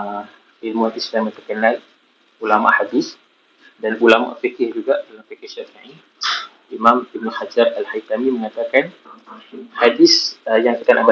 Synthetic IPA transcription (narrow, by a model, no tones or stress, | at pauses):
ilmuhadisdamə̃t̪ərkənal | ulama̰ʔhadis | danulama̰ʔfikɪhd͡ʒuɡaʔdalamfikɪhʃafiĩ | imamib̚nuhad͡ʒaralhait̪amiməŋat̪akan | hadisəjaŋkit̪anaba